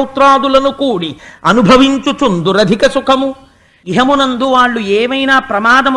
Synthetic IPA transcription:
wt̪ɾaːd̪ulɐnukuːɽiɐnubʱɐʋiɲt͡ʃut͡ʃund̪uɾɐd̪ʱikɐsukʰɐmu | iɦɐmunɐnd̪uʋaːɭːueːʋɐjnaːpɾɐmaːd̪ɐm

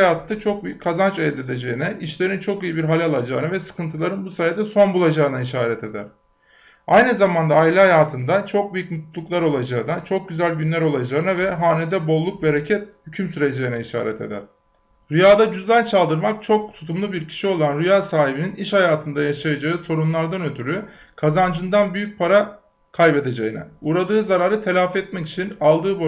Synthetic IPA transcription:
jaːt̪ʰɯnd̪at͡ʃʰo̞k̚byjycʲʰːazant͡ʃelʲːed̪e̞d͡ʒe̞inɛiʃlʲe̞ɾint͡ʃʰo̞kijibiɾɦalʲalˠad͡ʒa̰ːɯnavɛsɯ̥kɯnt̪ʰɯlˠaɾɯnbusajad̪ɛso̞nbulˠad͡ʒaːɯnaiʃaːɾɛt̪ʰe̞d̪æ̰ɾ̥ | ajnɯzamand̪aːilʲiɦajaːt̪ʰɯnd̪at͡ʃʰo̞k̚byjycmut̪llˠuklˠaɾo̞lˠad͡ʒaɯnat͡ʃʰo̞k̚ɟyzælʲɟynlʲæɾo̞lˠad͡ʒaːɯnavɛɦaːned̪ɛbo̞lˠːuk̚be̞ɾecʰɛt̪̚hycʰymsyɾed͡ʒejinɛiʃa̰ːɾɛ̰t̪ʰe̞̰d̪æ̰ɾ̥ | ɾyjaːd̪ad͡ʒyzlʲænt͡ʃʰalˠd̪ɯɾmak̚t͡ʃʰo̞k̚t̪ʰu̥t̪ʰumlˠubiɾcʰi̥ʃio̞lˠanɾyjaːsaːɦibininiʃhajaːt̪ʰɯnd̪ajaʃajad͡ʒaɯːso̞ɾunlˠaɾd̪anø̞t̪ʰyɾy | kʰazand͡ʒɯnd̪anbyjyc̚pʰaɾa | kʰajbe̞d̪e̞d͡ʒejinɛ̰uɾad̪ɯːzaɾaːɾɯt̪ʰe̞lʲaːfɛt̪̚mɛci̥t͡ʃʰinalˠd̪ɯːbo

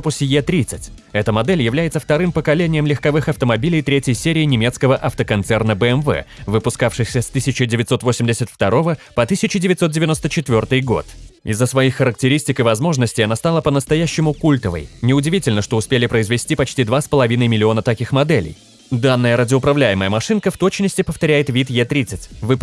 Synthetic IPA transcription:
pʊsʲjet̪ɾʲit̪sɨtʲ | ɛt̪əmɐd̪ɛlʲjɪvlʲæjɪt̪səft̪ɐɾɨmpəkɐlʲenʲɪjəmlʲɪxkɐvɨxɐft̪əmɐbʲilʲɪjt̪ɾʲetʲjəjsʲeɾʲɪːnʲɪmʲe̞t̪skəvəʔɐft̪əkɐnt̪sɛrnəbəɛmvɛ̰vɨpʊskafʂɨxsʲəst̪ɨsʲɪt͡ɕɪdʲɪvʲɪt̪so̞t̪vosʲɪmʲdʲɪsʲət̪ft̪ɐɾo̞vəpɐt̪ɨsʲɪt͡ɕɪdʲɪvʲɪt̪sot̪̚dʲɪvʲɪnost̪ət͡ɕɪt̪vʲo̞rt̪ɨjɡo̞̰t̪ɪ̰zːəsvɐixːəɾək̚tʲɪɾʲisʲtʲɪkɪvɐzmo̞ʐnəsʲtʲɪjɐnast̪alˠəpənəst̪ɐjæɕːɪmʊkulʲt̪əvə̰jnʲɪʊdʲɪvʲitʲɪlʲnəʂt̪o̞ʊspʲelʲɪpɾəɪzvʲɪsʲtʲipɐt͡ɕtʲid̪vaspəlˠɐvʲinəjmʲɪlʲɪo̞nət̪ɐkʲixmɐd̪ɛlʲɪ̰j | d̪anːəjəɾədʲɪʊpɾɐvlʲæjɪməjəmɐʂɨnkəft̪o̞t͡ɕnəsʲtʲɪpəft̪ɐɾʲæjɪt̪vʲit̪jet̪ɾʲit̪sɨtʲvɨ

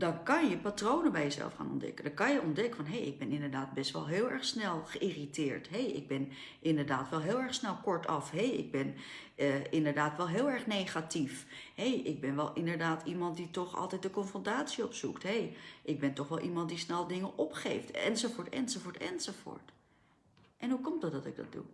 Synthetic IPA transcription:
dɑnkɑnjəpaːtrownəbɛjəzɛ̰lˠfχa̰ːnɔ̰ndɛ̰kədɑkɑnjəɔndɛkəfɑnɦejɪ̰ɡ̚bɛnɪndəɹdaːt̚bɛstʋɛ̰lˠɦɪːlˠɛɹχsnɛlˠχəʔiritɪːɹtɦejʔɪ̰ɡ̚bɛn | ʔɪndəɹdaːtʋɛlˠɦɪːlˠɛɹsnɛlˠkɔɹtʰɑ̰fɦejɪ̰ɡ̚bɛn | əɪndəɹdaːtʋɛlˠɦɪːlˠɛɹχnejχatifɦejʔɪɡ̚bɛnʋɛlˠɪndəɹdaːtʰimɑntditɔχɑ̰lˠtɛjt̚dəkɔnfrɔntaːtsiɔpsuktɦejʔɪɡ̚bɛntɔχʋɛlˠʔimɑntdisnɛlˠdɪŋənʔɔpχejftɛ̰nzofʊːɹtɛ̰nzofʊːɹtɛ̰nzovʊ̰ːɹt | ʔɛnɦukɔmdɑt̚dɑtɪɡ̚dɑ̰t̚dṵ

